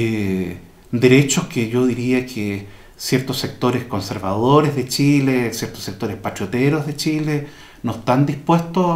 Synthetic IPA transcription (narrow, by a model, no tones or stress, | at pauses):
e | d̪eɾet͡ʃoskeʝoðiɾiakʰe | sjeɾt̪osːek̚t̪o̞ɾesko̞nseɾβaðoɾezðet͡ʃilesjeɾt̪o̥sːek̚t̪o̞ɾehpat͡ʃot̪eɾo̞zðet͡ʃile | noest̪and̪ispwest̪o